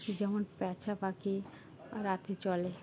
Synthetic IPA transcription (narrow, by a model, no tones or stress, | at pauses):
ʃid͡ʒɛmonpɛt͡ʃʰapakʰi | ɾat̪it͡ʃɔle